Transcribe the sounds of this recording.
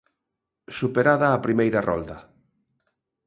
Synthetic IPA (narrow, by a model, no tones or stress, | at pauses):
supeɾaðɐːpɾimejɾɐrɔ̰ld̪ɐ